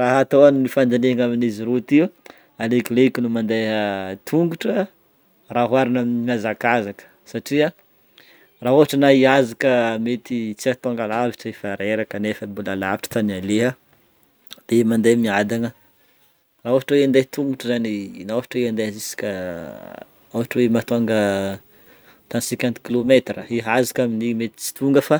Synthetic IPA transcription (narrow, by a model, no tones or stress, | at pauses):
raɦat̪oannifand͡zaneaŋaminiziɾut̪iu | alekʲileikʲinumand̪eət̪ʰuŋɡuʈ͡ʂə | raɦwaɾinaminimazakazakə̥saʈ͡ʂia | raɦoɦaʈ͡ʂənaiazakəmet̪it͡siat̪aŋɡalaviʈ͡ʂəefaɾeɾakənefəbulalavi̥ʈ͡ʂə̥t̪analeɦə | d̪̥emand̪emiad̪anə | raoɦaʈ͡ʂweand̪et̪uŋɡuʈ͡ʂəzaninaofaʈ͡ʂweand̪eazisi̥kʲə | awaʈ͡ʂwemat̪oŋɡə | t̪anisikʲɛnt̪kilomet̪rəiɦazakaminimet̪i̥t͡si̥t̪uŋɡəfa